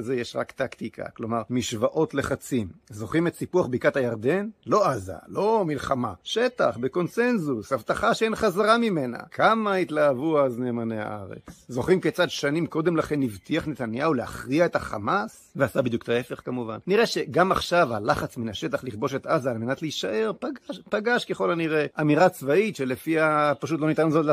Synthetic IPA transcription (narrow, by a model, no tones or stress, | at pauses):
zejeʃʁakt̪akt̪ikʰa̰klo̞maʁmiʃvaʔo̞tleχat͡simzo̞χimetsipuaχbikathajaʁd̪e̞nlo̞aza̰lo̞milχamaʃet̪a̰χbeko̞nse̞nzusavt̪aχaʃeenχazaʁamime̞na̰kʰamait̪laːvuazneːmaneha̰ʔaʁḛt͡szo̞χimket͡sad̪ʃanimko̞d̪e̞mlaχenːivt̪iaχnet̪anjaulea̰χʁiae̞t̪aχa̰mas | veasabid̪juktae̞fe̞χkamuva̰nːiʁeʃe̞ɡamaχʃavalaχat͡sminaʃe̞t̪aχliχbo̞ʃet̪azaːlme̞nat̪leiʃaʔe̞ʁpaɡaʃpaɡaʃkeχo̞laniʁeʔamiʁat͡svaitʃelefiapaʃut̬lo̞nitanzotla